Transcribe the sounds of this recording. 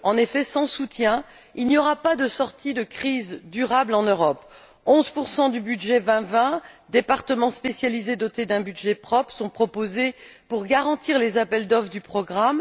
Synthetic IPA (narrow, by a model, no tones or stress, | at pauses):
ɑ̃nefɛsɑ̃sut̪jɛ̃ | ilnjɔʁapad̪əsɔʁt̪id̪əkχizd̪yʁablɑ̃nøʁɔp | ɔ̃zpuʁsɑ̃d̪ybyd̪ʒɛvɛ̃vɛ̃d̪epaʁt̪əmɑ̃spesjalized̪ɔt̪ed̪ɛ̃byd̪ʒɛpχɔpsɔ̃pχɔpozepuʁɡaʁɑ̃t̪iʁlezapɛld̪ɔfd̪ypχɔɡʁam